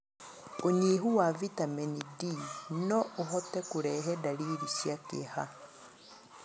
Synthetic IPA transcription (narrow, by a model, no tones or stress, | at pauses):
oɲiːɦuwavitamɛnidinɔʔoɦɔtɛkuɾɛɦɛdaɾiːɾisjakḛha